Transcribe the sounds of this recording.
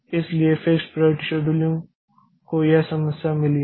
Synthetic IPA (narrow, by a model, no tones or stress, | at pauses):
ɪsliefekspɾaʈiʃoɖuljũŋ | kojasɐməsjamɪli